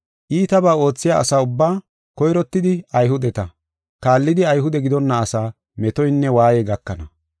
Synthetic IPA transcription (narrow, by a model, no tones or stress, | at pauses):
ʔiːt̪ɐbaːo̞ːt͡sːɪjaːɐ̰saːʊbːaː | kɔjɾɔt̪ːɪd̪ɪɐjɦʊd̪ɛt̪ɐ | kaːlːɪd̪ɪɐjɦʊd̪ɛɡɪd̪ɔnːɐːsaː | mɛt̪ɔjnːɛwaːjɛɡɐkːɐnɐ